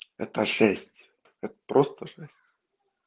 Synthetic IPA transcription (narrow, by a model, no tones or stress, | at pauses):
ɛ̰t̪əʂæsʲt̪ʲ | ɛt̪ə̥pɾʔost̪əʂæsʲtʲ